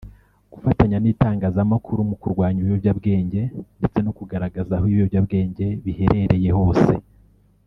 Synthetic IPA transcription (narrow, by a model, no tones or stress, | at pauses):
ɡ̥ufataɲaniːtaːŋɡaːzamakʰuɾumukuɾɡwaːɲiβjobɟabɡe̞ːɲɟe̞nde̞t͡se̞nokuɡaɾaɡazahiβjobɟabɡe̞ːɲɟe̞βihe̞ɾe̞ɾe̞je̞ho̞ːse̞̰